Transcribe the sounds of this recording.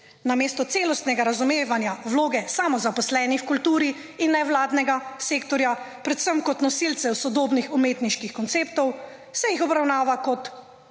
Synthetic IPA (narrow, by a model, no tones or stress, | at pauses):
nameːst̪ɔt̪seːlɔst̪nɛɡaɾazumeːʋanjawloːɡɛsamɔzapɔslɛːnixkult̪uːɾiː | nːɛwlaːd̪nɛɡaseːkt̪ɔɾja | pɾɛt̪səmkɔt̪nɔsilt̪sɛwsɔd̪oːbnixumeːt̪niʃkixkɔnt̪seːpt̪ɔw | sɛjixɔbɾawnaːʋakɔt̪